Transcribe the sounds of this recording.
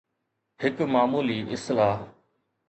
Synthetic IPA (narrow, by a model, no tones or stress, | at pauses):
hɪkmaːmuːliːʔɪslaː